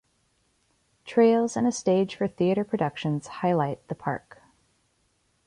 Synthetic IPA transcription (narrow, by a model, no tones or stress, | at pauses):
tʰɹ̥eɪlˠzɨ̃nɨsteɪd̥ʒ̥fə˞θiɨɾə˞pʰɹ̥ɨdʌkʃɨ̃nz̥haɪlaɪt̪̚ðəpʰɑ̰ɹk